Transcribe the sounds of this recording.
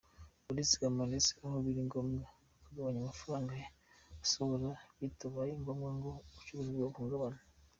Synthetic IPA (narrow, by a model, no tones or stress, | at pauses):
polisi̥ɡamanisi̥ahoβiɾiŋɡomŋe | kuɡaβaɲamafaɾaːŋɡajeasoβuɾaβituβajiŋɡomŋeŋɡout͡ʃuβuziβɡokuŋɡaβana